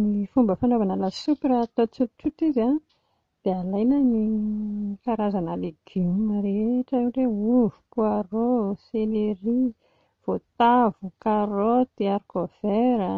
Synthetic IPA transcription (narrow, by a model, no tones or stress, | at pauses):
nifumbəfanovanalasupiɾat̪ot͡sutit͡sut̪izan | d̪̥ealajnəni | kaɾazanaleɡ̥imaɾeeʈ͡ʂəiwreuvu̥puaroseleɾi | v̥ot̪avukaɾot̪iaɾikov̥eɾə